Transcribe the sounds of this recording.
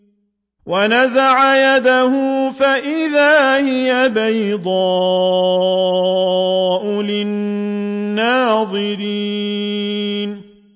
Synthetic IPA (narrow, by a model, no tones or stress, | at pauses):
wanazaʕajad̪ahʊfaʔɪðaːhɪjabajd̪ˤɑː | ʔʊlɪnː | aːðˤɨɾi | n